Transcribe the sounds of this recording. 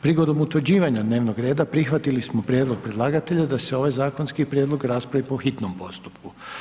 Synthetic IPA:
pɾiɡo̞d̪omut̪ʋɾ̩d͡ʑiːʋaɲad̪ne̞ːʋnoɡɾeːd̪apɾixʋat̪ilismopɾjed̪lˠo̞ɡ̚pɾed̪lˠaːɡat̪e̞ʎad̪aseo̞ʋajzaːko̞nskipɾʲjeːd̪lˠo̞ɡɾaːspɾaʋipo̞xit̪nompo̞st̪u̥pku

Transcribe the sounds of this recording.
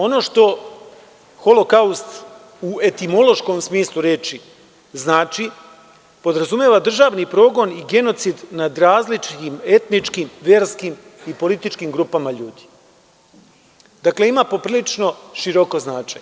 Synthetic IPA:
o̞no̞ʃt̪o̞ | xo̞lokaust̪ | ue̞t̪imo̞lo̞ʃko̞msmiːslˠuɾeːt͡ʃi | znaːt͡ʃi | po̞d̪ɾazumjeːʋad̪r̩ʒaːʋnipɾo̞ːɡo̞niɡe̞no̞t̪sid̪nad̪ɾaːzlit͡ʃime̞t̪nit͡ʃkimʋe̞ːɾskim | ipo̞lit̪it͡ʃkimɡɾuːpamaʎuːd̪i̥ | d̪̥akle̞imapo̞pɾiːlit͡ʃno̞ʃiɾo̞ko̞znaːt͡ʃaɲe

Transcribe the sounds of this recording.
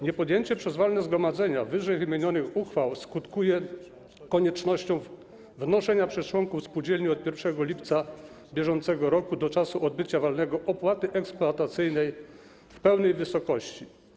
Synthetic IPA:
ɲɛpɔd̪jeɲt͡ɕɛpʂɛzvalnɛzɡɾɔmad̪zɛɲavɘʐɛjvɘmʲjeɲɔnɘxuxfawskut̪kujɛ | kɔɲɛt͡ʂnɔɕt͡ɕɔ̃w̃ | vnɔʂɛɲapʂɛst͡ʂwɔŋkufspud͡ʑelɲiɔt̪̚pʲjɛɾfʂɛɡɔlʲipt̪sa | bʲjɛʐɔnt̪sɛɡɔɾɔkud̪ɔt͡ʂasuʔɔd̪bɘt͡ɕavalnɛɡɔʔɔpwat̪ɘʔɛkspluat̪at̪sɘjnɛj | fpɛwnɛjvɘsɔkɔɕt͡ɕi

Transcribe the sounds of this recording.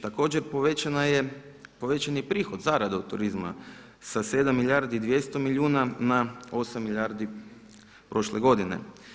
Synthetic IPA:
t̪ako̞ːd͡ʑeɾpoʋet͡ʃanaje | po̞ʋet͡ʃanjepɾiːxod̪zaɾad̪aut̪uɾizma̰ | sase̞d̪amːiʎʲjaɾd̪iːd̪ʋje̞st̪o̞miʎʲuːnanao̞samːiʎʲaɾd̪i | pɾo̞ʃleɡo̞d̪inḛ

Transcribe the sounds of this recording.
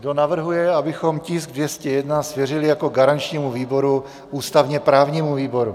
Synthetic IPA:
ɡdo̞navr̩ɦujɛabɪxo̞mcɪsɡ̚dvjɛscɛjɛdnasvjɛrɪlɪjako̞ɡaɾant͡ʃɲiːmuviːbo̞ɾu | ʔuːst̪avɲɛpɾaːvɲiːmuviːbo̞ɾu

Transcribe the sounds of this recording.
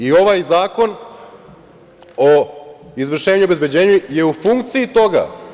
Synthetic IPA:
io̞ʋajzaːko̞n | oizʋr̩ʃeːaɲuobe̞zbe̞d͡ʑe̞ːɲuje̞ufuŋkt̪siit̪o̞ɡa̰

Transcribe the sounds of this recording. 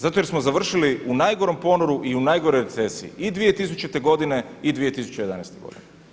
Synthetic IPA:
zat̪ojesmozaʋr̩ʃiliunajɡoɾo̞mpo̞noɾuʔiunajɡoɾo̞jɾet̪sesḭḭid̪ʋije̞t̪is̬ut͡ʃet̪eɡo̞d̪ine̞id̪ʋije̞t̪isu̥t͡ɕejed̪a̰nḛjst̪eɡo̞̰d̪ḭne

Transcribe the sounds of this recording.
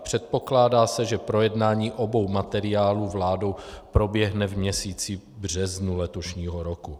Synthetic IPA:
pr̝̥ɛt̪̚po̞klaːdaːsɛʒɛpɾo̞jɛdnaːɲiːʔobo̞wmat̪ɛɾɪjaːluːvlaːdo̞wpɾo̞bjɛɦnɛvmɲɛsiːt͡si | br̝ɛznulɛt̪o̞ʃɲiːɦoɾoku

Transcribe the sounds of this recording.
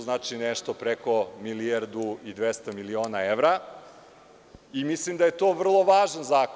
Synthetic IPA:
znaːt͡ʃineʃt̪opɾeko̞milieɾd̪uid̪ʋest̪amilioːnaeʋɾa | imislimd̪aje̞t̪oːʋr̩lˠo̞ʋaːʒanzaːk

